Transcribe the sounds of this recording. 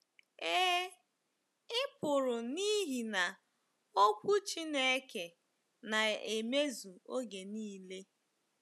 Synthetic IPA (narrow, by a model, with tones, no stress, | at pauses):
e˦ | ɪ˦pʊ˨ɾʊ˨ni˦ɦi˨na˨ | o˦kʷu˦t͡ʃi˦ne˦ke˨ | na˨e˨me˦zu˨o˦ɡe˨niː˦le˦